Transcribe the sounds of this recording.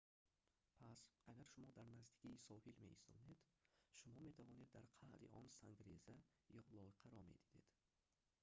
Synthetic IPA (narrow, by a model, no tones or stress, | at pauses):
pʰasaɡaɾʃumɔd̪aɾnazd̪i̥kʰiːsɔhilme̞ʔist̪ɔ̰ne̞d̪ | ʃumɔme̞t̪ʰavɔne̞d̪ːaɾqʰaʔd̪ḭʔɔnsaŋɡɾeza | jɔlɔiqʰaɾɔme̞̰d̪id̪e̞̰d̪̥